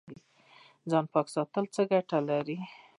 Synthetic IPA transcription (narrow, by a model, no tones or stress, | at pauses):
i | d͡zɑnpɑksɑt̪əlt͡səɡaʈalaɾi